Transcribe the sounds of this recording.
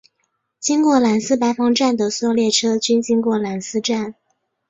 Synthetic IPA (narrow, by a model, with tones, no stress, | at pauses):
t͡ɕi˥ŋkwɔ˥˩la˨˧˥nsɹ̩˥pa˧˥ɪfɑ˧˥ŋʈ͡ʂa˥˩nd̪ə˩swɔ˥˧ljɛ˥˩ʈ͡ʂʰɤ˥t͡ɕy˥nt͡ɕi˥ŋkwɔ˥˩la˨˧˥nsɹ̩˥ʈ͡ʂa˥˩n